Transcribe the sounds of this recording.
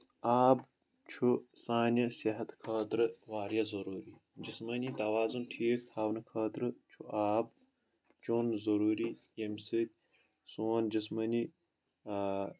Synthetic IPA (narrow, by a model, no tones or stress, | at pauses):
aːb | t͡ʃʰusaːnɐsiɦɐt̪kʰaːt̪ɾɨʋaːɾijɐzɐɾuːɾi | d͡ʒismɐnit̪ɐwaːzunʈʰiːkaːwnɨkʰaːt̪ɾɨt͡ʃʰuʔaːb̚ | t͡ʃoːnzɐɾuːɾi | jemsɨd̪̚ʲ | suːnd͡ʒismɐni